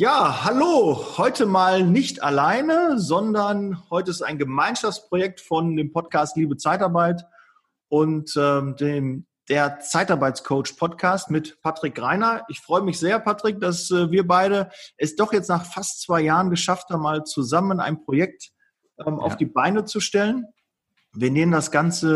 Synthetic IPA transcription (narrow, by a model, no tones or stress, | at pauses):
jaːhaloːhɔʏtʰəmaːlnɪçta̰laɪnəzɔndɐnhɔʏtəɪsta̰ɪnɡəmaɪnʃaft͡spʁ̥ojɛk̚tfɔndeːmpʰɔt̚kʰaːstliːbət͡saɪtaɐbaɪt | ʔʊntɛːmdeːm | d̥eːɐt͡saɪtaɐbaɪt͡skʰoʊt͡ʃpʰɔtkʰaːstmɪtpʰatʁ̥ɪkʁaɪnɐʔɪçfʁ̥ɔʏəmɪçz̥eːɐpʰatʁ̥ɪk̚d̥asɛːviːɐbaɪɾəʔɛsd̥ɔχjɛt͡stnaːχfastt͡sv̥aɪjaːʁənɡəʃafthaːbm̩aːlt͡suzaməna̰ɪnpʁ̥ojɛk̚t | ʔɛːmʔa̰ʊfd̥iːbaɪnət͡suʃtɛlən | viːɐneːməndasɡ̥ant͡sə